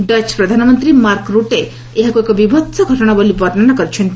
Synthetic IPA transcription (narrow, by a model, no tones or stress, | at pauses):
ɖət͡ʃpɾɔd̪ʱanɔmɔnt̪ɾimaɾkɾuʈe | eɦakuekɔbibʱɔt̪sɔɡʱɔʈɔɽ̃abolibɔɾnanakɔɾit͡ʃʰɔnt̪i